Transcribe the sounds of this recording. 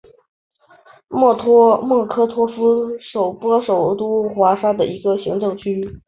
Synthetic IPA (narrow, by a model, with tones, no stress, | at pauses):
mɔ˥˩t̪ʰwɔ˥mwɔ˥˩kʰɤ˥t̪ʰwɔ˥fu˥ʂo˨˩ʊpwɔ˥ʂo˨˩ʊt̪u˥xwa˧˥ʂa˥d̪ə˨i˧˥ɡə˧ɕi˧˥ŋʈ͡ʂɤ˥˧ŋt͡ɕʰy˥